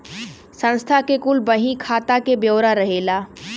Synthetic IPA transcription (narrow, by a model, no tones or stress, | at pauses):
sə̃nst̪ʰakekulbəɦĩkʰaːt̪akebjəːɾaɾəɦela